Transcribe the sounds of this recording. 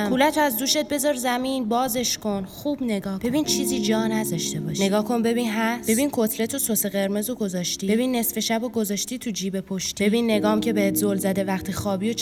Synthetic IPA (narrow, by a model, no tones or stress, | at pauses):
kulæt̪ʰoæzd̪uːʃet̪̚be̞zɒɾzæminbɒːze̞ʃko̞nχuːb̥ne̞ɡɒːhbe̞bint͡ʃʰiːziːd͡ʒɒːnæzɒʃt̪e̞bɒʃne̞ɡɒːkʰo̞nbe̞biːnɦæssb̥e̞biːnkʰot̪ʰle̞t̪ʰososeɣe̞ɾme̞zoɡo̞zɒʃt̪iːbe̞biːnːe̞sfe̞ʃæboɡo̞zɒʃt̪it̪ʰud͡ʒiːbepʰoʃt̪ie̞binːe̞ɡɒːmcʰʲe̞behet̪ʰzolzæd̪e̞væχt̪ʰiːxɒːbijot͡ʃ